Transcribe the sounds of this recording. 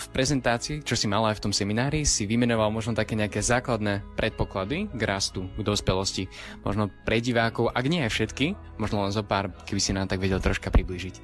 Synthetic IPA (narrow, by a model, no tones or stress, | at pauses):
fpɾɛzɛnt̪aːt͡siːt͡ʃɔsimalajft̪ɔmsɛminaːɾisiʋimɛnɔʋalmɔʒnɔt̪akɛːɲɛakɛzaːklad̪nɛpɾʔɛt̪̚pɔklad̪iɡɾast̪uɡd̪ɔspɛlɔsci | mɔ̰ʒnɔpɾɛɟiʋaːkɔʊʔaɡɲɛajfʃɛt̪ki | mɔʒnɔlɛnzɔpaːɾkɛbisinat̪aɡʋɛɟɛlt̪ɾɔʃkapɾibliːʒic